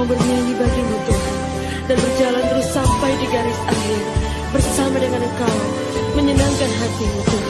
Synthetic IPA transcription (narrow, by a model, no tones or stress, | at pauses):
bərɲajibaɡimut̪ʊ | danbərd͡ʒalant̪əɾusːampajdiɡaɾɪsali | bərsamadəŋanəkaa | məɲənaŋkanɦat̪imut̪ʊ